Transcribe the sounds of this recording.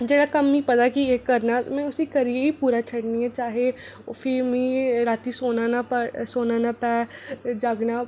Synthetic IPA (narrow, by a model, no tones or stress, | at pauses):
d͡ʒeːɽakɐmipɐd̪akieːkːɐɾnamɛ̃ʊsikɐɾieipuːɾat͡ʃʰɐɽniɦɛ̃t͡ʃaːɦe | fʰimĩɾaːt̪isoːnaːnapsoːnaːnapɛːd͡ʒaːɡna